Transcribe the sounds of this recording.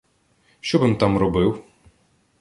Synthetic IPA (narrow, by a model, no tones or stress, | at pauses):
ʃt͡ʃɔbɨmt̪ɑmrɔbɪw